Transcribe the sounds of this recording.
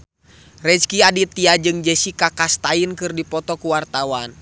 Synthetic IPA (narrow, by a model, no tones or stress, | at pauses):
rɛskiadit̪iad͡ʒɨŋd͡ʒɛsikakast̪ainkɨrdipɔt̪ɔkuwart̪awan